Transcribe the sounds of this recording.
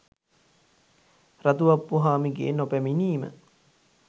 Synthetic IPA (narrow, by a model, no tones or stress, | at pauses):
ɾat̪uʋɐpːuɦaːmiɡḛːnopæminiːmə̰